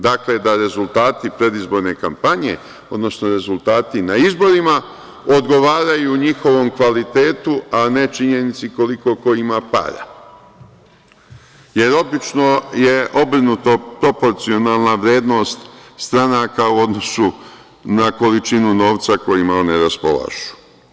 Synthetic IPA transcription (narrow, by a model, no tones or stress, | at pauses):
d̪akle̞d̪aɾe̞zulˠt̪aːt̪ipɾe̞d̪izbo̞ɾne̞kampaɲe̞ | o̞d̪no̞sno̞ɾe̞zulˠt̪aːt̪inaizbo̞ɾima | o̞d̪ɡo̞ʋaːɾajuːɲixo̞ʋo̞mkʋalit̪e̞ːt̪uane̞t͡ʃiɲe̞nit̪siko̞liko̞ko̞imapa̰ɾa̰ | je̞ɾo̞bit͡ʃno̞je̞ʔo̞bɾinut̪opɾo̞po̞ɾt̪sio̞nalˠnaʋɾe̞ːd̪no̞st̪st̪ɾanakauo̞d̪no̞su | nako̞lit͡ʃinuno̞ːʋt̪sako̞jimaoneɾaspo̞̰lˠa̰ʒ̥u̥